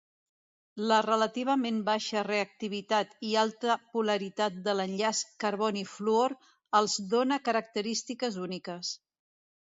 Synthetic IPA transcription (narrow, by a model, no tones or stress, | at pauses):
lərələt̪iβ̞əmembaʃəreək̚t̪iβ̞it̪at̪ialˠt̪əpuləɾit̪at̪̚d̪ələnʎaskəɾβɔnifluoɾ | əlˠzd̪onəkəɾək̚t̪əɾist̪ikəzunikəs